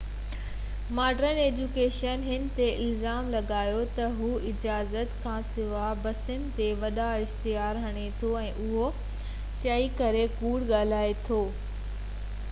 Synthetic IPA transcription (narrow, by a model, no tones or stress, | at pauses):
maːɖɾəneːd͡ʑukeːʃənɦɪnɪ̆t̪eɪlzaːmlɐɠaːjot̪ɐɦuːɪd͡ʑaːzət̪kʰãːsɪʋabɐsənɪ̆t̪eʋɐɗaɪxt̪ijaːɾɦɐɽ̃et̪ʰoɛ̃ːʔʊɦo | t͡ɕɐikɐɾekuːɽɠaːl̤aːet̪ʰoː